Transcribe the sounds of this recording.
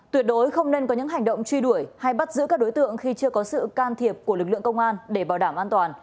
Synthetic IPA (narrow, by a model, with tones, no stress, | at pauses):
t̪wi˨˩ət̚ɗo˨˦jxə˧wŋ͡mne˧nkɔ˨˦ɲɨ̰˧˥ŋɦa˨˩jŋ̟ɗə̰˧˨wŋ͡mt͡ɕwi˧ɗu˧˩əjha˧jɓa˦˥t̚zɨ̰˧˥kaː˦˥ɗo˨˦jt̪ɨ̰˧˨əŋxi˧t͡ɕɨ˧əkɔ˨˦sɨ̰˧˨kaː˧nt̪ʰi˨˩əp̚ku˧˩əlɨ˨˩k̚lɨ̰˧˨əŋkə˧wŋ͡mʔaː˧nɗe˧˩ɓaː˧˩wɗaː˧˩mʔaː˧nt̪waː˨˩n